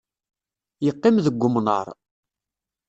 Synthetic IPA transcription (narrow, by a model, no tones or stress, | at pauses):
jəqːɪmðəɡʷːʊmnə̰ɾˤ